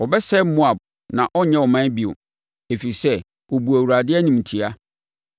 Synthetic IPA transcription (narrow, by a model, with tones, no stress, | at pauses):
wɔ˨bɛ˦sɛ˦mʊ̃˦a˨b̚ | nã˨ʔɔ˦ɲɛ̃˦wɔ˨mã˦bi˨ʊ̰˨ | e˨fi˨sɛ˦ | wɔ˨bu˨æ˨wu˨ɾa˨dɪ˦ɛ˦nũ˨m˨tʰi˨a˦